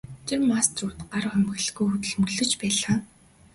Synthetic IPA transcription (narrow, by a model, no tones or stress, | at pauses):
t͡ɕemːast̪ruːt̪ɢaɾwχæmɣɘ̆ɮɣujxut̪ɵ̆ɮmɵ̆ɮɵ̆t͡ɕpæːɮaː